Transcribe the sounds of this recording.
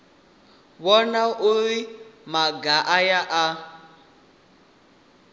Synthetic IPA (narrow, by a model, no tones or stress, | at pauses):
wɔnaʔoɾimaɡaʔajaʔa